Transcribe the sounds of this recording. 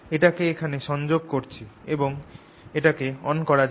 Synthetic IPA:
eʈakeekʰaneʃɔnd͡ʑoɡ̚koɾt͡ɕʰieboŋ | eʈakeɔnkɔɾad͡ʑ

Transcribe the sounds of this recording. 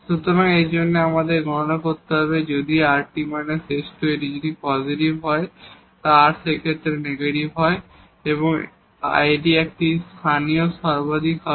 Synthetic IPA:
ʃut̪oɾaŋejd͡ʑonːeamad̪eɾɡɔɽonakoɾt̪ːeɔbed͡ʑod̪iaɾʈimaneseʃʈoeʈid͡ʑod̪ipɔziʈibɦɔe | t̪aɾsekʰet̪ːɾeneɡeʈibɦɔe | eβoŋ | a̰jɖiɛk̚ʈist̪ʰanijoʃɔɾbod̪ʱikɦɔ

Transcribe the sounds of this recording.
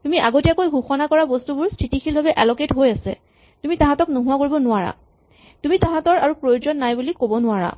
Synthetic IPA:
tumiʔaɡotijakojɦuxɔnakɔɹabɔstubʊɹstʰitikʰilbʱabɛʔɛlɔketɦojasɛ̰ | tumitãɦãtɔknoɦʊakoɹibɔnʊaɹa̰ | tumitãɦãtɔɹaɹupɹojozɔnːajbulikobɔnʊaɹa̰

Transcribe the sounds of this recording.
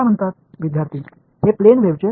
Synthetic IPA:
am̤əɳt̪at̪̚ʋid̪ʱjaɾt̪ʰiː | ɦeplenʋeʋt͡ɕe

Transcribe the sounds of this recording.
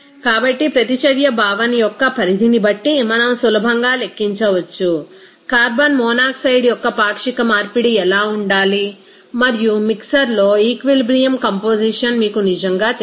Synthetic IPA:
kaːbɐʈːipɾɐt̪it͡ʃɐɾjɐbʱaːʋɐnijɔkːɐpʰɐɾid̪ʱinibɐʈːimɐnɐmsulɐbʱɐŋɡaːle̞kːiɲt͡ʃɐʋɐt͡ʃːu | kaːɾbɐnmɔːnaːksɐjɖjɔkːɐpaːkʂikɐmaːɾpiɽiɛlaːuɳɖaːli | mɐɾijumiksɐɾloːiːkʋilbɾijɐmkɐmpoːd͡ʒiʂɐnmiːkunid͡ʒɐŋɡaːt̪

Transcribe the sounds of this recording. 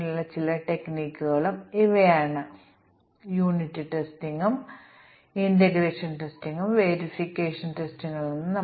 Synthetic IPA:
ilːɐt͡ɕilɐʈe̞kniːkːuɣɐɭumiʋɐjaːɳɨ | juːnitːɨʈesʈiŋɡum | inteɡɾeːʂɐnʈesʈiŋɡumʋeːɾifikːe̞ːʂɐnʈestiŋːɐɭnonːɨnɐ

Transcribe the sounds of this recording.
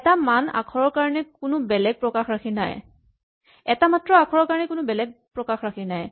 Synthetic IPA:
tamana̰kʰɔɹɔɹkaɹɔnɛkʊnʊbɛlɛɡ̚pɹɔkaxɹakʰina̰j | ɛtamatɹɔakʰɔɹɔɹkaɹɔnɛkʊnʊbɛlɛɡ̚pɹɔkaxɹakʰinaj

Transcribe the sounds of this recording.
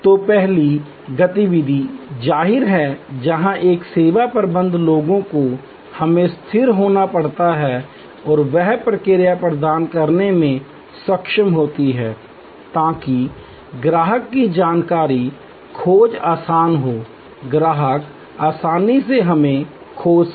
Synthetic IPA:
t̪opɛɦli | ɡɐt̪iʋɪd̪ʱid͡ʒaːɦɪɾɦɛd͡ʒɐɦãʔeːkseːʋapəɾbə̃nd̪loːɡõko | hɐmẽst̪ʰɪɾɦoːnapɐɽ̤t̪aɦɛ | ɔːɾʋɛɦpɾəkɪɾjapɾəd̪aːnkəɾnemẽ | sɐkʃəmɦoːt̪iɦɛː | t̪ãːki | ɡɾaːɦəkːid͡ʒaːnkaːɾi | kʰoːd͡ʒaːsaːnɦoː | ɡɾaːɦək | aːsaːniseɦɐmẽ | kʰoːd͡ʒ

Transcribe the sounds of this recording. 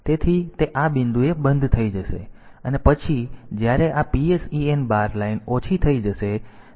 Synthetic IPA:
t̪et̪ʰit̪eʔabɪnd̪uebənd̪ʱt̪ʰəid͡ʒəʃḛənepət͡ʃʰid͡ʒjaɾeʔapiesienbaɾlainot͡ʃʰit̪ʰəid͡ʒəʃe

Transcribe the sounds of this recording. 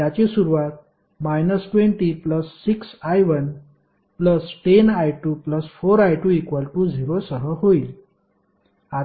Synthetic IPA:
jat͡ɕisuɾuʋat̪̚ | majnəsʈʋẽɳʈipləsːiksajʋən | pləsʈenajʈuːpləsfoɾajʈuːekʋəlʈuːd͡ziɾosəɦəɦoiːl | a

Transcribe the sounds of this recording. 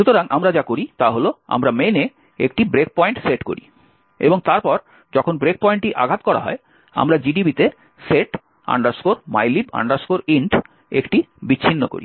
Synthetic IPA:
ʃut̪oɾaŋʔamɾad͡ʑakoɾit̪aɦoloa̰mɾamene | ek̚ʈibɾek̚pɔjɳʈseʈko̰ɾḭ | ḛboŋt̪aɾpɔɾ | d͡ʑɔkʰonbɾek̚pɔjɳʈiʔa̰ɡʱat̪kɔɾa̰ɦɔ̰e | a̰mɾad͡ʑiɖibit̪e | seʈ | a̰ɳɖaɾskoɾma̰jliba̰ɳɖaɾskoɾiɳʈ | ekʈibit͡ɕːɕʰinːoko̰ɾḭ

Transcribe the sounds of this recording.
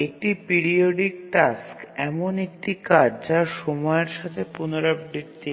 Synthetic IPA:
ek̚ʈipiɾioɖik̚ʈaskɛmonek̚ʈikaɾd͡ʑaɾʃɔmɔeɾʃat̪ʰepunoɾabɾit̪ːi

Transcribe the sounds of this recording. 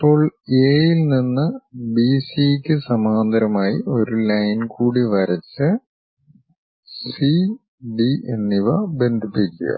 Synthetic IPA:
ipːo̞ːɭeːjilninːɨbiːsikʲːɨsɐmaːnd̪ɐɾɐmaːjḭʔo̞ɾulɐjnkuːɽiʋɐɾɐt͡ɕːɨ | si | ɖiḛnːiʋɐbe̞nd̪ʱipːikʲːṵɣɐ̰

